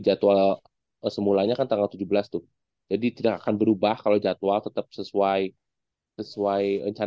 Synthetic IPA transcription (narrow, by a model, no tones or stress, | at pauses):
d͡ʒat̪ua | əsəmulaɲakant̪aŋɡalt̪ud͡ʒuhbəlast̪ʊh | d͡ʒadit̪idakakanbəɾubahkalawd͡ʒat̪uat̪ət̪əp̚səsuaj | səsuajrə̰ɲt͡ʃa